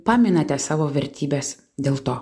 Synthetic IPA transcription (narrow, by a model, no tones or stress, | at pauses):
pɑːmʲɪnɐt̪ʲɛsɑːʋoːʋʲɛɾʲt̪ʲiːbʲeːs | d̪ʲeːlˠt̪oː